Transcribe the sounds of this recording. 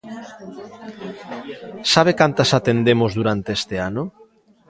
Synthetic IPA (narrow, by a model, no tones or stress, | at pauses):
saβ̞ekant̪asat̪end̪emozðuɾant̪eest̪eano